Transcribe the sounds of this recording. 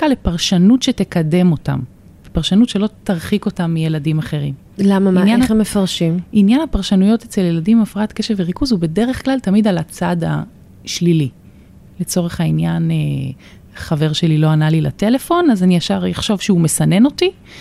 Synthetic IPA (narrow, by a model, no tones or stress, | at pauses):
kalepaʁʃanutʃe̞tekade̞mo̞ta̰m | vepaʁʃanutʃe̞lo̞t̪aʁχiko̞tamːije̞ladimaχe̞ʁim | lamaminjanemːefaʁʃiminjanhapaʁʃanujo̞tet͡se̞ljeladimafʁatkeʃeveʁikuzhube̞de̞ʁe̞χklaltamidalat͡sada̰ | ʃlili | le̞t͡so̞ʁeχhainjane | χave̞ʁʃe̞lilo̞analila̰te̞le̞fo̞nazaniaʃaʁjaχʃo̞vʃeume̞sane̞no̞ti